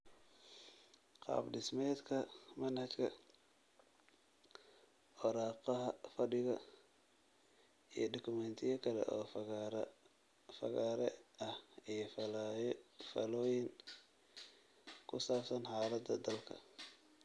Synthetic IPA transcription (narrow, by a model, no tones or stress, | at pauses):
qɑ̰ːbdɪsmɛːd̪kʰɐmɐnhɐt͡ʃkʰɐ | wɔɾɑːqɑɦɐfɐɖɪɣɐ | ijɞdɔkʰʊmɛnt̪ʰɪjɐkʰɐlɛ̰ʔɔː | fɐ̰ɣaːɾɛɐhijɔf | fɐ̰lɔːjɪŋ | kʰʊsaːpsɐnhaːlɐd̪ɐd̪ɐlkʰɐ̰